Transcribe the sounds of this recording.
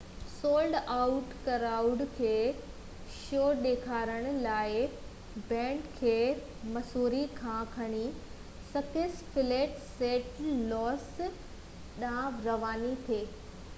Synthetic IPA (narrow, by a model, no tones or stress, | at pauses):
soːlɖaʊʈkɐɾaːʊɖkʰeː | ʃoːɗeːkʰaːɾəɽ̃ʊ̆laːɪ | bɛ̃ːɳɖkʰeː | mɐsuːɾikʰãːkʰɐɽ̃i | sɐkɪsfɪleːʈseːʈlɔːs | ɗãɾɐʋaːnit̪ʰeː